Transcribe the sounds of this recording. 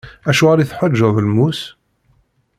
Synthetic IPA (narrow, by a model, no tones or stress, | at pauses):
æʃuʁaɾiθħəd͡ʒːəðˤlmus